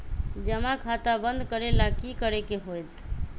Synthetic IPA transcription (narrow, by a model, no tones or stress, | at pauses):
d͡ʒəmakʰat̪abənd̪ʱkəɾelakikəɾekeɦojt̪